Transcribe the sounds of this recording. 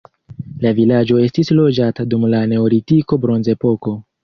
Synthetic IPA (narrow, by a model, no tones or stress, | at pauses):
lavilad͡ʒo̞e̞stislo̞d͡ʒatadumlane̞oɾitiko̞bɾo̞nze̞po̞ko̞